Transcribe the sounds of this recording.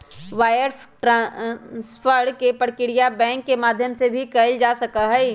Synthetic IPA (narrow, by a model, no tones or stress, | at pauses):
ʋaːjəɾ | ʈɾãsfʰəɾɽkepəɽkɪɽijabɛ̃ːŋkːemaːd̪ʱjəmsebʱikɐld͡ʒaːsɐkaɦɛ